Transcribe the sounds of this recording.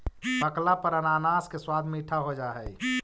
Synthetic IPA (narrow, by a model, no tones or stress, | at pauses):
bəklapəɾənaːnaːskeswaːd̪ʱmiʈʰaɦod͡ʒaːɦɛi